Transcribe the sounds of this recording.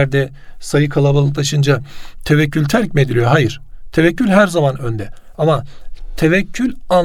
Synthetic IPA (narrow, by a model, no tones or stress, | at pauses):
ɾd̪ɛ | sajɯkʰalˠabalˠɯk̚t̪aʃɯnd͡ʒat̪ʰevɛcʰːylʲt̪ʰæɾcmied̪ilʲijoɦajɯɾ̥t̪ʰevɛcʰːylʲɦæɾzamanønd̪ɛ | amat̪ʰevɛcʰːylʲa